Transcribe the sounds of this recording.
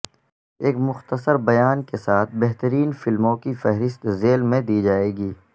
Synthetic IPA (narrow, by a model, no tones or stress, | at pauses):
eːkmʊxt̪əsəɾbɐjaːnkesaːt̪ʰbɛɦt̪əɾiːnfɪlmõkifɛɦɾɪst̪zeːlmẽd̪iːd͡ʒaːeːɡiː